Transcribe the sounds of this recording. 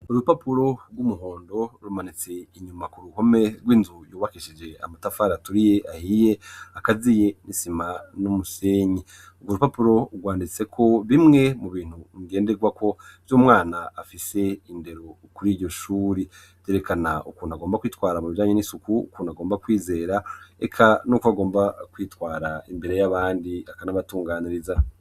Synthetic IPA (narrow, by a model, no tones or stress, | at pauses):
uɾupapuɾo̞ɾɡwumuɦo̞ːndo̞ɾumanit͡se̞iɲumakuɾuho̞me̞ɾɡwiːnzujuːβakiʃid͡ʒe̞a̰matafaːɾatuɾije̞ʔahije̞akazije̞nisimanumuseɲi | uɡwoɾupapuɾo̞ɡwaːndit͡se̞kʰo̞βimŋe̞muβiːn̥huŋiɡe̞ːnde̞ɡwakʰo̞vjuːmŋaːnaːfise̞inde̞ɾo | kuɾiːɟo̞ʃuːɾi | zeɾe̞kʰanaukuːnuaɡoːmbakwiːtwaːɾamuβiʒaːɲe̞nisukuṵkuːnuaɡoːmbakwiːze̞ːɾaḛkʰanuːkoaɡoːmbakwiːtwaːɾaimbe̞ɾe̞jaβaːndiakanaβatuːŋɡaːniɾiza